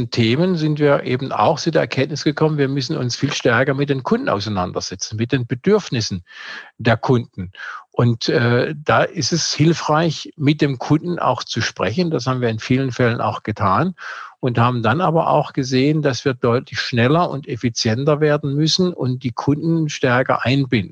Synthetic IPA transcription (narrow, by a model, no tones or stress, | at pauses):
n̩tʰeːmənzɪntv̥iːɐʔḛːbm̩a̰ʊxt͡sudeːɐɛɐkʰɛntnɪsɡ̥əkʰɔmənviːɐmʏsn̩ʊ̰nsfiːlʃtɛɐkɐmɪt̚d̥eːnkʰʊndn̩ʔa̰ʊsaɪna̰ndɐ̰z̥ɛt͡sn̩mɪt̚d̥eːnbədʏɐfnɪsn̩d̥eːɐkʰʊndn̩ʔʊntɛːd̥aːʔɪstɛshɪlfʁ̥aɪçmɪt̚d̥eːmkʰʊnd̥n̩ʔa̰ʊxt͡suʃpʁ̥ɛçən̩d̥as̬haːbmn̩viːɐɪnfiːlənfɛləna̰ʊxɡ̥ətʰaːnʔʊnthaːbm̩danʔaːbɐʔa̰ʊxɡ̥əzeːəndasv̥iːɐdɔʏtlɪçʃnɛlɐʊ̰ntefit͡sjɛntɐveːɐdn̩mʏsn̩ʊnt̚d̥iːkʰʊndn̩ʃtɛɐkɐ̰ʔaɪnbɪndn̩